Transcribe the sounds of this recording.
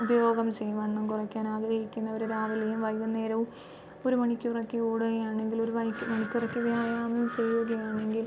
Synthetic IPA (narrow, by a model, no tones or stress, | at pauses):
ubɐjo̞ːɡɐmt͡ɕejʋɐɳːɐmkurɐkʲːaːnaːɡɾɐhikʲːunːɐʋoɾuɾaːʋɐlɐjumʋɐjɣɐnːeːɾɐʋum | oɾumɐɳikʲːurɐkːeoːɽuɣɐjaːɳe̞ŋɡiloɾuʋɐjkːmɐɳikʲːurɐkːeʋijaːjaːmɐt͡ɕe̞jːuɣɐjaːɳe̞ŋɡil